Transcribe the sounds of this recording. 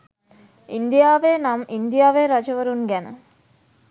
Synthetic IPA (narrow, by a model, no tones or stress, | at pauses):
ind̪ijaːʋenamind̪ijaːʋeɾad͡ʒəʋəɾunɡænə̰